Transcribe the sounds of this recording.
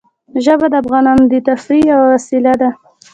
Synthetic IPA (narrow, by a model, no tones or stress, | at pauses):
ʒəbad̪əafɣɑnɑnod̪ət̪afɾiawawasilad̪a